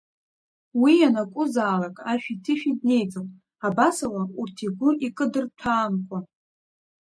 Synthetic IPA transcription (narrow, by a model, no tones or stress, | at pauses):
wianakʷʼʊzaːlakʼaʃᶣitʰɨʃᶣid̚ne̞jt͡sʼɨn | abasawaurtʰiɡʷʊikʼɨdɨrtʰaːmkʷʼa